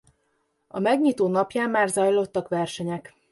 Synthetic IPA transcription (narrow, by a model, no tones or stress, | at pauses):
ɒ̰mɛɡɲiːt̪oːnɒpjaːmːaːrzɒjlo̞t̪ːɒkʋɛrʃɛɲɛk